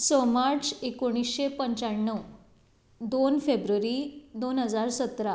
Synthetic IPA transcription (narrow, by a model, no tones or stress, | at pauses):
səmaɾt͡sekoɽ̃isɕepəɲt͡ɕaɳːəw | d̪onfebɾəɾid̪onɦəd͡zaɾsət̪ɾa